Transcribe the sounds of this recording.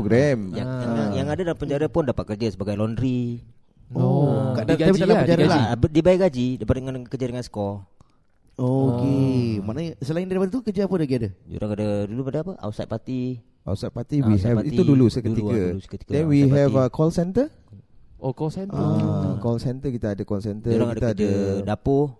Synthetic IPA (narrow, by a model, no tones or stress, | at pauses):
poɡɾɛmjaŋaajaŋadadalampəɲd͡ʒaɾapʊndapat̪̚kərd͡ʒasəbaɡajlɔndɾi | okadaɡabit̪alapəɲd͡ʒaɾalabdibajɛʔɡad͡ʒidapadəŋankərd͡ʒadəŋansə̥kɔ | okema̰nasəlaɪndaɾipadat̪ukəd͡ʒaapədaɡiadəd͡ʒo̰ɾʔaŋkadədulupadaapəʔa̰wsa̰t̪̚pat̪i | ʔa̰wsat̪̚pat̪iwiɛiudulusəkət̪ikəukət̪i̥kdɛnwiɦɛvəkʰɔlsɛnt̪ə | okɔlsɛnəakɔlsɛnt̪əkit̪aadəkɔlsɛnt̪əoɾaŋidət̪aadədapʊh